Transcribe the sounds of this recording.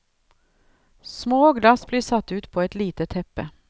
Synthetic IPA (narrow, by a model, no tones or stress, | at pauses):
smoːɡlɑsbliːʂɑt̪ːʉːt̪pʰoːɛt̪liːt̪ət̪ʰɛpːə